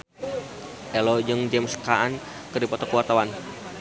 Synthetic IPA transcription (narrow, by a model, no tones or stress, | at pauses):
ʔɛlɔd͡ʒɨŋd͡ʒɛmskaan | kɨrdipɔt̪ɔkuwat̪awan